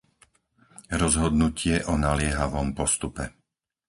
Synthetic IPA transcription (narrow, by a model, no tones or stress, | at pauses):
ɾɔzɦɔd̪nucʰɪɛʔɔnalɪɛɦaʋɔmpɔst̪upɛ